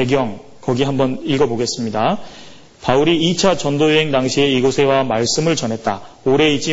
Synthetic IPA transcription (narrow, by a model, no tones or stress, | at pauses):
e̞ɡjʌŋ | kʌɡiɦambʌniɭɡʌboɡe̞s͈ɯmɲida | pauɾiːt͡ɕʰat͡ɕʌndojeɦe̞ŋdaŋɕʰie̞iɡosʰe̞wamaɭs͈ɯmɯɭt͡ɕʌnɦe̞t̚t͈a̰oɾe̞it͡ɕ͈i